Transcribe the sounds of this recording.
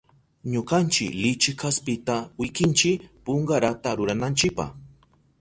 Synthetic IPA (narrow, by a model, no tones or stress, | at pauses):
ɲoɢant͡ʃɪ̰klɪt͡ʃɪkʰaspɪt̪awɪkɪnt͡ʃɪpoɴɢɑɾat̪aɾʊɾanant͡ʃɪpɑ̰χ